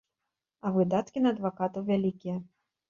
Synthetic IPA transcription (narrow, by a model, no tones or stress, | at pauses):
ɐvɨd̪at̪kʲinɐːd̪vakat̪ɐwvʲalʲikʲijɐ